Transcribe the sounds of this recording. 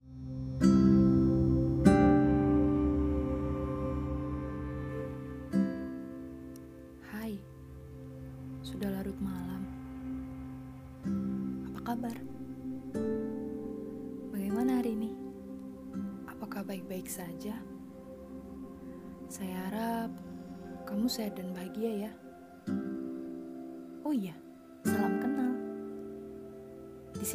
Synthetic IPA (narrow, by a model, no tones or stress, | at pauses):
haj | sudahlaɾut̪̚malam | apakabar | baɡajmanaaɾini | apakahbaɪk̚baɪksad͡ʒa | sajaaɾap̚kamusajadanbaɦaɡiaja | oija | malamkənal | dis